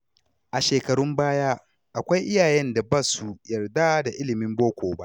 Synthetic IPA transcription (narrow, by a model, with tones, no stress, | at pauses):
ʔa˨ʃeː˨kɐ˨ɽʊ˦mbaː˦jaː˦ | ʔa˨kʷa˦jʔɪ˦jaː˨jɛ˦nda˨baː˦su˨jɐ˨rda˦da˨ʔɪ˦lɪ˨mɪ˦mboː˦kʷoː˨ba˦ʔ